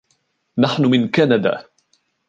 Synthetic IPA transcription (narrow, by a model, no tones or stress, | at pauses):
naħnʊmɪnkanad̪a̰ː